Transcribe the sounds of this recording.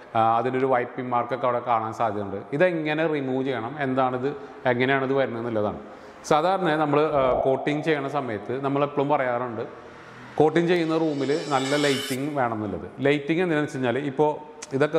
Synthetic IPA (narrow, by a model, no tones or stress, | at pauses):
ɐðino̞ɾuʋɐjpːimaːrkːɐkːɐʋiɽekaːɳaːnsaːd̪ʱjɐmuɳɖɨiðeŋːɐnerimuːt͡ɕejɐɳɐme̞nd̪aːɳiðɨ | eŋːɐnejaːɳɐðɨʋɐɾunːɐnːilːɐða̰ːɳɨ | saːd̪ʱaːɾɐnɳɐnɐmːɐɭɨko̞ːʈːiŋɨt͡ɕe̞jːɐɳːɐsɐmɐjɐt̪ːɨnɐmːɐɭepːɐɭumpɐrɐjaːruɳɖɨ | ko̞ːʈːiŋt͡ɕejːunːɐruːmilɨnɐlːɐlɐjtːiŋːɨʋe̞ːɳɐmnːilːɐðɨlɐjtːiŋːɡend̪inɐit͡ɕːiɲːaːlipːo̞ː | iðo̞kːe